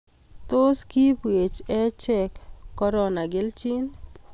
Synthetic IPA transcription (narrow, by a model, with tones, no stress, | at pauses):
t̪o˦ski˦pwe˨t͡ʃɛ˦t͡ʃɛ˨kːɔ˦ɾɔ˦na˨ɡɪ˦lt͡ʃi˦n